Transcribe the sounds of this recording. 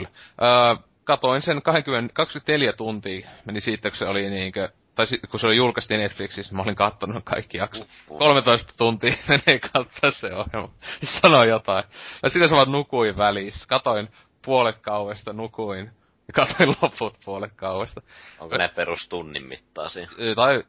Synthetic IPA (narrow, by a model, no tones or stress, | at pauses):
lʔəː | kɑt̪oinsenkɑheŋkymːenkɑkskyme̥t̪neljæt̪unt̪iːmenisiːt̪ːæku̥seoliniːŋkø | t̪ɑisikuseolijulkɑst̪iːnet̪fliksisnimæoliŋkɑt̪ːonukʰɑ̰ikːijɑks | kolmet̪oist̪ɑ̥t̪unt̪iːmeneːkʰɑt̪ːoissḛohjelmɑsɑnojot̪ɑijɑsit̪æsɑmɑt̪nukuiʋʋæliskɑt̪oin | puolet̪kɑuwest̪ɑnukuin | jɑkɑt̪oilloput̪puolet̪̚kɑuwest̪ɑo̰ŋkonepperust̪unːḭmmḭt̪ːɑ̰ːsit̪ɑi